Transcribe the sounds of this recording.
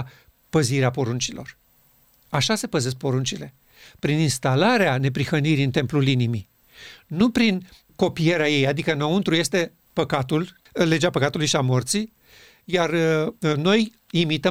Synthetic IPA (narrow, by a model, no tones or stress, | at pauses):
pəziɾeapo̞ɾunt͡ʃilo̞̰r | aʃase̞pəze̞s̬k̚po̞ɾunt͡ʃile̞ | pɾininst̪alaɾeane̞pɾixəniɾiɨnt̪e̞mplulinimi | nupɾin | ko̞pije̞ɾeaje̞jad̪ikənount̪ɾuje̞st̪e̞ | pəkat̪ul | le̞d͡ʒeapəkat̪ulujʃiamo̞rt̪si | jarno̞j | imit̪ə